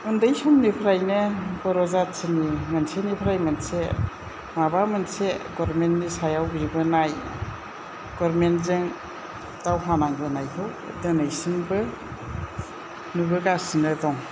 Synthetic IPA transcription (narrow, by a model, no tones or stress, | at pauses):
undɯjsɔmnipʰɾajnɯbɔɾɔzatsinimansenipʰɾajmanse | mabamɯnseɡɔɾmentːisajawbibɯnaj | ɡ̥ɔɾmenzɯŋ | tawɦanaŋbɯnajhɯw | dɯnɯjsinbɯ | nubɯɡasinɯdɔŋ